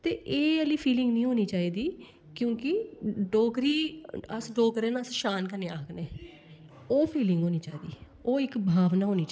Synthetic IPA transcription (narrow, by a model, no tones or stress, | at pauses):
t̪eːʔeːəliːpʰiːlɪ̃ŋɡnĩːɦoːniːt͡ʃaːiːd̪iː | kjõːkɪɖoːkɾiːəsɖoːkɾeːnaəsʃaːnkəɾneːaːkʰneː | oːpʰiːlɪ̃ŋɡɦoːniːt͡ʃaːiːd̪iː | oːɪkbʱaːʋnaːɦoːniːt͡ʃ